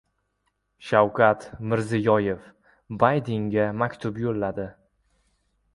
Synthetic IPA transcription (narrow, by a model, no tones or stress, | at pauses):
ʃawkʰat̪mɪɾzɪjɒje̞f | bajd̪eŋɡʲamakʲt̪ʰʊpjolːad̪ɪ